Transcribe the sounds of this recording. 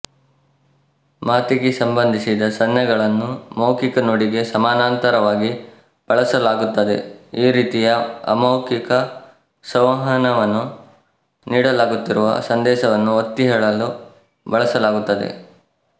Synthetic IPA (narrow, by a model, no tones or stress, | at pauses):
maːt̪iɡesɐmbɐnd̪ʱisid̪ɐsɐnjɐɡɐɭɐnːumɐwkikɐnoːɽiɡe̞sɐmaːnaːnt̪ɐɾɐʋaːɡi | b̥ɐɭɐsɐlaːɡut̪ːɐd̪e̞̰iːɾiːt̪ijɐɐ̰mɐwkikɐ | sɐʋɐɦɐnɐʋɐnːu | niːɽɐlaːɡut̪ːiɾuʋɐ̰sɐnd̪ɛːʃɐʋɐnːuot̪ːiɦɛːɭɐlu | bɐɭɐsɐlaːɡut̪ːɐd̪ḛ